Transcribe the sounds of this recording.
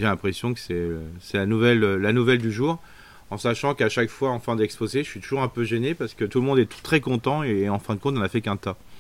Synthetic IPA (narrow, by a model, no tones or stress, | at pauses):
ʒelɛ̃pχesjɔ̃kə̥sɛsɛlanuvɛløːanuvɛld̪yʒuːʁ | ɑ̃saʃɑ̃kaʃakfwaɑ̃fɛ̃d̪ɛkspozeʒəsɥit̪uʒuʁɛ̃pøʒɛnepaʁsə̥kət̪ulmɔ̃d̪ɛ̥t̪χɛkɔ̃t̪ɑ̃eɑ̃fɛ̃d̪əkɔ̃t̪ɔ̃nafɛkɛ̃t̪a